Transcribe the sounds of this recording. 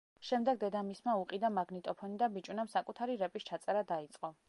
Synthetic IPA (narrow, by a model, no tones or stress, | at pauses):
ʃɛmd̪ɛɡ̚d̪ɛd̪amismauqʼid̪amaɡnit̪ʼɔpʰɔnid̪abit͡ʃʼunamsakʼut̪ʰaɾiɾɛpʼist͡ʃʰat̪sʼɛɾad̪ait̪sʼqʼɔ